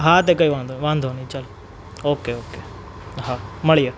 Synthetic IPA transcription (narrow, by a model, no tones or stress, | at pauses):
ɦat̪̬ekɐjʋaːnd̪uʋaːnd̪ʱonit͡ʃːɐli | oːkeoːke | ɦamɐɭijɐ